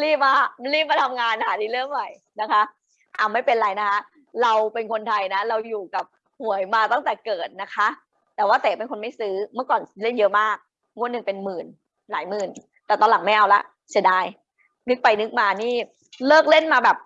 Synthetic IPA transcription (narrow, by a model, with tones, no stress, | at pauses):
liː˥˩p̚maː˧m˦˥liː˥˩p̚maː˧t̪ʰa˧mŋaː˧nhaː˩˦diː˧lɯ˥˩əŋnɔ˨˩j | na˦˥kʰa˦˥ | ʔa˧wma˥˩jpe˧nɾa˧jna˦˥kʰa˦˥ | ɾa˧wpe˧nkʰo˧nt̪ʰa˧jna˦˥ɾa˧wjuː˨˩ka˨˩p̚ | hu˨˩˦əjmaː˧t̪a˥˩ŋt̪ɛː˨˩kɤː˨˩t̪̚na˦˥kʰa˦˥ʔ | t̪ɛː˨˩waː˥˩t̪ɛː˨˩˦pe˧nkʰo˧nma˥˩jsɯː˦˥mɯ˥˩kɔː˨˩nle˥˩njɤ˦˥ʔmaː˥˩k̚ | ŋu˧˥˩nːɯ˨˩ŋpe˧nmɯː˨˩n | laː˩˦jmɯː˨˩n | t̪ɛː˨˩t̪ɔː˧nla˨˩˦ŋma˥˩jʔa˧wla̰˦˥ʔ | sʰi˧˩˦ndaː˧j | nɯ˦˥k̚pa˧jnɯ˦˥k̚maː˧niː˥˩ | lɤː˥˩k̚le˥˩nmaː˧bɛː˨˩p̚